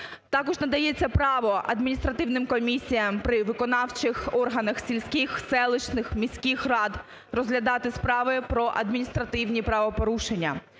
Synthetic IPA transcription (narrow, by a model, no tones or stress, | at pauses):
t̪ɑkɔʒnɐd̪ɐjet͡sʲːɐpɾɑʋɔʔɐ̰d̪mʲinʲist̪ɾɐt̪ɪwnɪmkɔmʲisʲijɐmpɾɪʋɪkɔnɑwt͡ʃɪxɔrɦɐnɐxsʲilʲsʲkʲɪxsɛlˠɪt͡ʃnɪxmʲisʲkʲɪxrɑd̪ | rɔzɦlʲɐd̪ɑt̪ɪspɾɑʋɪpɾɔʔɐ̰d̪mʲinʲist̪ɾɐt̪ɪwnʲipɾɐʋɔpɔɾuʃenʲːɐ̰